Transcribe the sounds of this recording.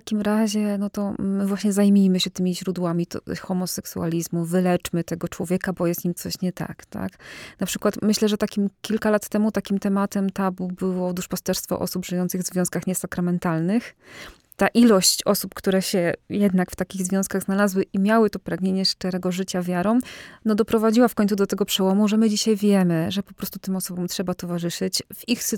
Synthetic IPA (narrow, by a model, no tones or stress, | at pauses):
takʲimɾaʑɛnɔt̪ɔːɘvwaɕɲɛzajmʲijmɘɕɛt̪ɘmʲiʑɾud̪wamʲit̪xɔmɔsɛksua̰lʲizmuvɘlɛt͡ʂmɘt̪ɛɡɔt͡ʂwɔvʲjɛkabɔjɛst̪ɲimt̪sɔɕɲɛt̪a̰kt̪a̰knapʂɘkwat̪mɘɕlɛʐɛt̪akʲimkʲilkalat̪ːɛmut̪akʲimt̪ɛmat̪ɛmt̪abubɘwɔd̪uʂpast̪ɛɾst̪fɔ̰ʔɔ̰subʐɨjɔnt̪sɘɣvzvjɔ̃skaxɲɛsakɾamɛnt̪alnɘx | t̪aʔilɔɕt͡ɕɔsupkt̪uɾɛɕɛjɛd̪nakft̪akʲiɣzvʲjɔ̃w̃skaɣznalazwɘʔimʲjawɘt̪ɔpɾaɡɲeɲɛʂt̪ɛɾɛɡɔʐɘt͡ɕavʲjaɾɔ̃w̃nɔd̪ɔpɾɔvad͡ʑiwafkɔɲt̪sud̪ɔt̪ɛɡɔpʂɛwɔmuʐɛmɘd͡ʑiɕajvʲjɛmɘʐɛpɔpɾɔst̪ut̪ɘmɔsɔbɔmtʂɛbat̪ɔvaʐɘʂɘt͡ɕvixs